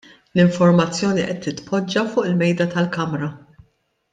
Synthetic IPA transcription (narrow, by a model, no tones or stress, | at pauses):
lɪɱfɔɾmɐt͡sːjɔːniʔɛt̪ːɪt̪pʰɔd͡ʒːɐfʊːʔɪlmɛjd̪ɐt̪ɐlkɐmɾɐ